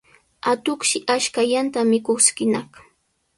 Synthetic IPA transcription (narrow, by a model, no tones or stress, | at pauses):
at̪ʊχʃɪʔaʃkajant̪amɪkoχskɪnɑχ